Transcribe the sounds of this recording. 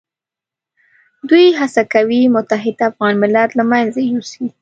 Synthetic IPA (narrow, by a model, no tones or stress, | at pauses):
d̪ujɦasakawimʊt̪aɦɪd̪afɣɑnmɪlat̪lamanzajusi